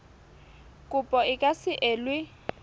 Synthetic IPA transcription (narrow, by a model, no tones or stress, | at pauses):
kʼʊpʼɔɪkʼasɪʔeːlwɪ